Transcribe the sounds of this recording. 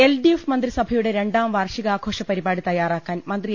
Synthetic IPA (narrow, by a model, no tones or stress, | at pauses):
elɖiefmɐnd̪risɐbʱɐjuɽeɾe̞ɳɖaːmʋaːrʂiɣɐaːɡʰʱo̞ːʂɐpɐɾibaːɽit̪ɐjaːraːkːaːnmɐnd̪ri